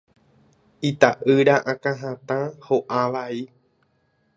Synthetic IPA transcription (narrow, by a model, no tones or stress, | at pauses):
it̪aʔɨɾaʔãkãɦãt̪ãhoʔaʋai